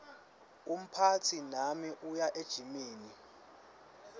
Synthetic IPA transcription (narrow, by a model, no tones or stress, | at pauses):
um̩pʰat͡sʰinamiʔujaʔed̥ʒ̥ʱimiːni